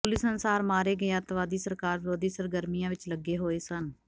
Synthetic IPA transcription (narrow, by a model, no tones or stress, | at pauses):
pʊlɪsənsaːɾmaːɾeːɡəeːəɾt̪ʋaːd̪iːsəɾkaːɾʋɪɾoːd̪iːsəɾɡəɾmijãːʋɪt͡ʃləɡeːɦoːeːsən